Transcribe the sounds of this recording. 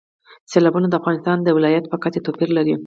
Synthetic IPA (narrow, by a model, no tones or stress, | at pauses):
selɑbunad̪əafɣɑnɪst̪ɑnd̪əwɪlɑjat̪̚pəkat̪et̪opiɾlaɾi